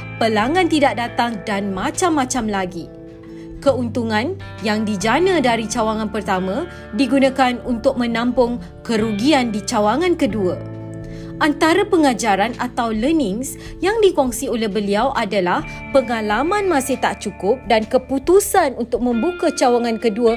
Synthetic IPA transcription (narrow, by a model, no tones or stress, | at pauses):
pəlaŋãnt̪idak̚dat̪aŋdanmãt͡ʃamːãt͡ʃamlaɡi | kəunt̪uŋãn | jaŋdid͡ʒanə̃daɾit͡ʃawaŋãnpərt̪amã | diɡunãkanunt̪ʊk̚mə̃nãmpʊŋ | kəɾuɡiandit͡ʃawaŋãnkəduə | ʔant̪aɾapəŋad͡ʒaɾanat̪awlənɪ̃ŋs | jaŋdikɔŋsiolɛhbəliawʔadalah | pəŋãlamãnmãsɪht̪aʔt͡ʃukʊp̚dankəput̪usanunt̪ʊk̚mə̃mbukat͡ʃawaŋãnkəduə